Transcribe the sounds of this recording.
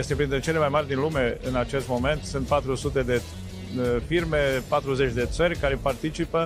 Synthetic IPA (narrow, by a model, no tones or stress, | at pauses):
jest̪e̞pɾint̪ɾet͡ʃe̞le̞majmarʲd̪inlume̞ɨnat͡ʃe̞st̪mome̞nt̪sɨnt̪̚pat̪ɾusut̪e̞d̪e̞ | firme̞pat̪ɾuzet͡ʃʲd̪e̞t̪sərʲkaɾepart̪it͡ʃipə